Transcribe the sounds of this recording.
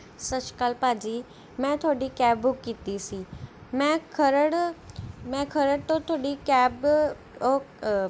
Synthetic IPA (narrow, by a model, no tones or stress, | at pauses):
sət͡ʃkalpaːd͡ʒiː | mɛ̃ːt̪ʰʊaːɖiːkɛːbʊkːiːt̪isiːmɛ̃ːkʰəɾəɽ | mɛ̃ːkʰəɾəɽt̪õːt̪ʰoaːɖiːkɛːb | o